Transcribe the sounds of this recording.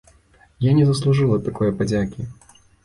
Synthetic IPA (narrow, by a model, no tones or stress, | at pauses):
janʲɛzɐslˠuʐɨlˠɐt̪akɔjɛpad͡zʲakʲi